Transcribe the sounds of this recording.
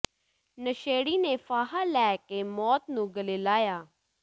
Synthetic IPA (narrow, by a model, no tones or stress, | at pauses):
nəʃeːɽiːneːfaːɦaːlɛːkeːmɔːt̪nũːɡəleːlaːjaː